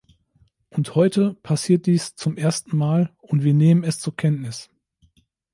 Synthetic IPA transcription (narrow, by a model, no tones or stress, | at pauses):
ʔʊnthɔʏtʰəpʰasiːɐt̚d̥iːst͡sʊmʔeːɐstn̩maːlʊntv̥iːɐneːmənɛst͡suːɐkʰɛntnɪs